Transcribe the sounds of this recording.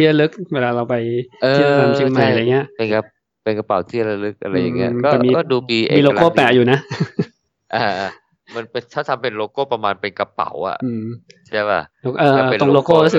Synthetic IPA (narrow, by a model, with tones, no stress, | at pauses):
i˥˩ə˧lɯ˦˥k̚weː˧laː˧ɾa˧wpa˧jɤːi˥˩˨t̪ʰa˧mt͡ɕʰi˥˧˩ŋmma˧˩jʔa˧˨˩ŋːi˦˥ɐʔpe˧nka˧ | pe˧nka˧pa˨˦wt̪ʰiː˥˩ɾa˧lɯ˦˥k̚ʔa˧ɾa˧jːa˨˩ŋːi˦˥ɐɔː˥a˧˩miː˧ɔː˥˩duː˧iː˧ʔemː˧lo˧koː˥˩pɛː˨˩ʔ̚juː˨˩na˦˥ | ʔaː˧˩˧ | ma˧npe˧t̪ʰaː˥˩t̪ʰa˧mpe˧nloː˧koː˥˩pɾa˧maː˧npe˧nka˧pa̰˨˩˦wʔa̰˨˩ɯː˧mt͡ɕʰi˥˩˦pa̰˧˩o˧ʔɤː˧o˧˩ŋloː˧koː˥˩ɾu˦˥sɯ˨˩